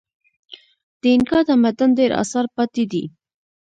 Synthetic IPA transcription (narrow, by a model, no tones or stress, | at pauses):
d̪̥əɪnkɑd̪əmad̪and̪eɾɑ̰sɑɾpɑt̪id̪ḭ